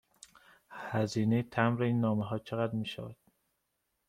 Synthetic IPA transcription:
hæziːnejet̪ʰæmɾeiːnːɒːmeɦɒːt͡ʃʰeɣæd̪ɾmiːʃæ̰væ̰d̪̥

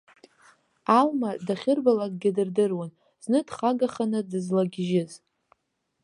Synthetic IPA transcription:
almadaχʲɪrbalak̚ʼɡʲɪdɨrdɨrwan | z̥nɨdχaɡaχanɨdɨzlaɡʲʒɪz

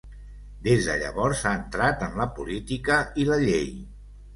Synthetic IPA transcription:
d̪ezðə̰ʎə̰βɔɾsaənt̪ɾat̪əmləpulit̪ikəiləʎej

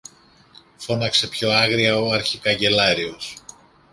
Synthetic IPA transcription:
fo̞nɐkse̞pço̞ɐɣɾiɐo̞ɐɾçikɐɲɟe̞lɐɾio̞s

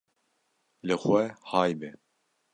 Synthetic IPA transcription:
lɨxʷɛhɑːjbɛ

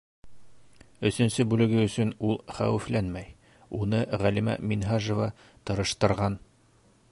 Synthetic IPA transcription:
ɵ̆sɵ̆nsɵbʉlɘ̆ɡɘɵ̆sɵnulˠχæwɘ̆flænmæj | unɤʁælimæ̰minɦaʒŏvɑ | t̪ɤ̆ɾɤ̆ʃt̪ɤ̆ɾʁɑn

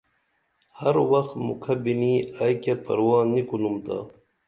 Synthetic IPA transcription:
hɐɾwɐxt̪mṵkʰɐbiniːajkapɐ̰ɾwaːnikulumt̪a̰ː

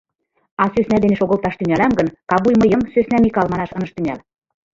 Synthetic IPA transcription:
ɑsøsnæd̪enĕʃoɣə̆lt̪ɑʃt̪yŋælɑmɡɤ̆nkɑβujmɤjɤmsøsnæmikɑlmɑnɑʃɤ̆nɤ̆ʃt̪yŋæl

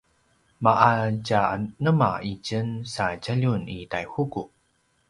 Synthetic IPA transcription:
maʔat͡ɕanəma̰it͡ɕənsad͡ʑaʎunitajhuku

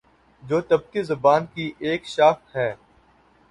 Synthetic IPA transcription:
d͡ʒoːt̪ɐb̚kizɐbaːnkiʔeːkʃaːkɦɛː

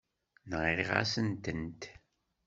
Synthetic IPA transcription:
nʁɾiʁa̰sənt̪ənt̪

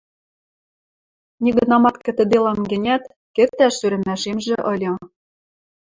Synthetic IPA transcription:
nʲiɡɘ̆nɑmɑt̪kɘ̆t̪ɘ̆d̪elɑmɡɘ̆nʲæt̪ | kɘ̆t̪ːæʃyɾɘ̆mæʃemʒĕʔɤ̆lʲɤ̆

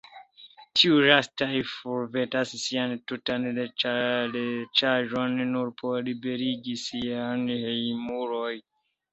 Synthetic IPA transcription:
tʰiuɾastajfuɾve̞tasːiantutanlet͡ʃalet͡ʃaʒonːuɾpʰo̞libe̞ɾiɡisianhejmuɾoj

